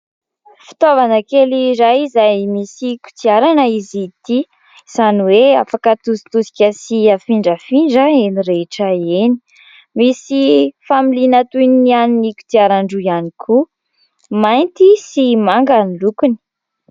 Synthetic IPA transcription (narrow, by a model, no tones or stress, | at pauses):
fi̥t̪ovanəkeliɾajizajmisiku̥t̪iaɾanəizit̪i | z̥aniwea̰fakət̪usi̥t̪usi̥kʲəsiafiɳɖ͡ʐəfiɳɖ͡ʐəeniɾeʈ͡ʂəeni̥ | misifamilinat̪unnianiniku̥t̪iaɾaɳɖ͡ʐujanikʰu | majnt̪isimaŋɡanilukuni̥